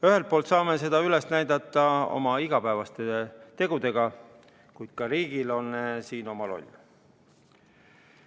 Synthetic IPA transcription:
yɦe̞lt̪̚pːˑolt̪sɑːme̞se̞d̪̥ɑyle̞snæjd̪ɑt̪ːˑɑo̞̰mɑiɡ̥ɑpæːvɑst̪e̞t̪e̞ɡ̥ud̪e̞ɡɑ | kujd̪̥̚kɑɾiːɡ̥ilo̞nsiːno̞mɑlo̞̰lʲː

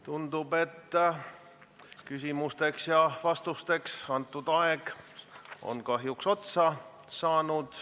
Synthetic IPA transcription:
t̪und̪ub̥e̞t̪ː | kysʲimust̪e̞ksjɑvɑst̪ust̪e̞ksɑnt̪ːˑud̪̥ɑeɡ̥ | ʔo̞̰nkɑɦjukso̞t̪sɑ | sɑːnud̪̥

